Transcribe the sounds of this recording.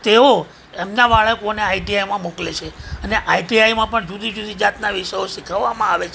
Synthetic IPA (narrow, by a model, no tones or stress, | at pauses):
t̪eo | emnaʋaɭəkoneaiʈiajmãmoklet͡ʃʰeəneʔaiʈiajmãpəɳd͡ʒud̪ʱid͡ʒud̪id͡ʒat̪naʋiʃəjoʃikʰaʋːamãaʋet͡ʃʰ